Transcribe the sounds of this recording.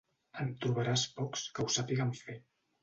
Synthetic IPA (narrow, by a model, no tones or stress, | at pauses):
əmt̪ɾuβ̞əɾaspɔkskəwsapiɣəmfe